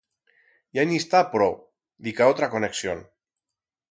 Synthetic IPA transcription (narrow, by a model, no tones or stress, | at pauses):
janist̪apɾɔ | d̪ikaot̪ɾakoneksjon